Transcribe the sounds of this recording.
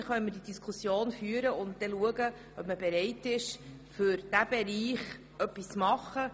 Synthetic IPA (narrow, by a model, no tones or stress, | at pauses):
χœnmɪdid̥iskʰʊsjoːnfyːəɾəʊntd̥ɛluəɡə | œpməbɛɾɛɪtɪʃ | fʏɾd̥æb̥ɛɾiːχ | œpːist͡smɑχə